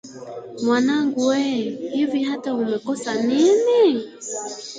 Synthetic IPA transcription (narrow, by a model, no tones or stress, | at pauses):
mwanaŋɡuwɛhiviɦataumɛkɔsanini